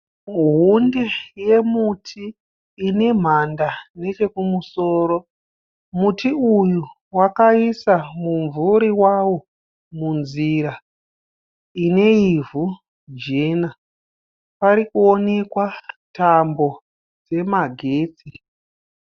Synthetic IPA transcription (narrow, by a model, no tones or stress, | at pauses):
ɦundeje̞mutʰiː | ne̞m̤andane̞t͡ʃe̞kumuso̞ːɾo̞ | mutiuju | wakaisamuɱvuɾiwawo̞ | munziɾa | ine̞ivu | d͡ʒeːna | paɾikuo̞ne̞kwatambo̞ | d͡ze̞maɡʱe̞ːt͡si